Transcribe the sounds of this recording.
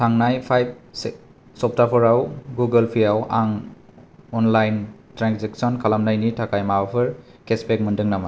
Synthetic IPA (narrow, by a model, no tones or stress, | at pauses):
tʰaŋnajpʰajb̚s | sɔp̚ʰtapʰɔɾawɡuɡəlpʰijawaŋ | ɔnlajntɾanzek̚sɔnkʰalamnajnitʰakajmaapʰɯɾkespek̚mɯndɯŋnama